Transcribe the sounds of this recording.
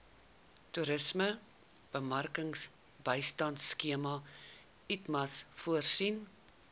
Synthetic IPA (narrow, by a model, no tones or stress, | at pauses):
tuɾəsmə | b̥əmɐrkəŋs | bəjstɐntskiəmɐ | itmɐsfuərsin